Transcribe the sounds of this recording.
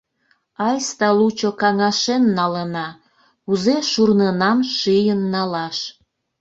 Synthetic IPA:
ɑjst̪ɑlut͡ɕokɑŋɑʃenːɑlənɑ | uzeʃurnenɑmʃijənːɑlɑʃ

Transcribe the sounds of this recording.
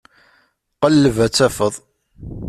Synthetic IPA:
qəlːəvæt͡sːæfəðˤ

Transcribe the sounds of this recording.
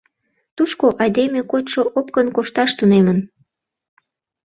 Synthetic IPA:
t̪uʃkoʔɑjd̪emekot̪ʃoʔop̚kənkoʃt̪ɑʃt̪unemən

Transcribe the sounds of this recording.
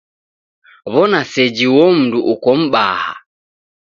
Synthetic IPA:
βɔnasɛd͡ʒiwɔm̩duʔukɔm̩ba̰ha̰

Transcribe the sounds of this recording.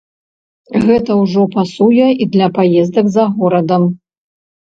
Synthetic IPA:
ɣɛt̪ɐwʐɔpasujɛid̪lʲɐpajɛzd̪ɐɡzɐɣɔɾɐd̪ɐm

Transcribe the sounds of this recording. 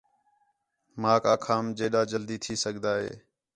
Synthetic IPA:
maːkaːkʰaːmd͡ʒeːɗaːd͡ʒəld̪iːt̪ʰiːsəɡd̪aːɦḛː

